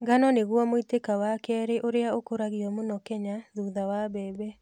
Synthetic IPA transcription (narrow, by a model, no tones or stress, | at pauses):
ɡanɔneɣwɔmoitekawakɛɾeʔoɾeaokoɾaɣiɔmonɔkɛɲaðuðawaβɛːβɛ